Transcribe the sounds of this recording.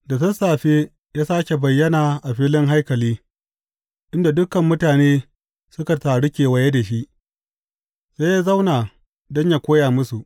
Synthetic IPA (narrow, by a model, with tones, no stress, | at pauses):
da˨tɐ˦saː˨ɸe˦ | jaː˦saː˦kʲe˨bɐ˨jːɐ˦naː˨ʔa˨ɸiː˦lɪ˦ŋɦa˦jkɐ˨liː˦ | ʔɪ˦nda˨dʊ˦kɐ˨mːʊ˦taː˨neː˦ | sʊ˦ka˨taː˨ɽɪ˦kʲeː˨wɐ˨je˦da˨ʃi˦ʔ | se˦jaː˦za˦wnaː˨ | dɔ˦ɲja˦kʷoː˦jaː˨mʊ˦su˨ʔ